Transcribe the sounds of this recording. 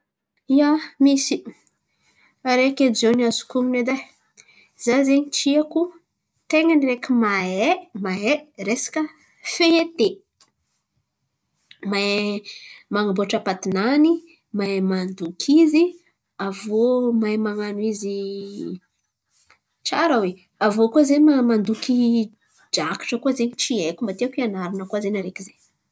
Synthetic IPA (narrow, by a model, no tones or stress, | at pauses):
iamisi | aɾeked͡ʒoniazu̥kumined̪aj | z̥azeɲiʈ͡ʂiaku | t̪eŋəniɾekimaemaeɾesḁkə | feet̪e | ma | maŋamboʈ͡ʂəpat̪inani | mamand̪ukʰizi | avomajmaŋanwizi | t͡ʃaɾəwe | avokuazemamand̪uki | d͡ʒaki̥ʈ͡ʂəkuazeɲit͡ʃiekumbat̪iakianaɾinəkuazenaɾekizeɲ